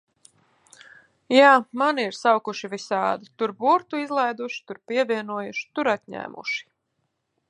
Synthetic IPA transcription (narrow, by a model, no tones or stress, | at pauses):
jaːmaniɾsawkuʃivisaːd̪ut̪uɾbuɔɾt̪uizlˠajd̪uʃi̥t̪uɾpiɛvʲiɛnuɔjuʃi̥t̪uɾat̪ɲæ̰ːmʔṵʃi̥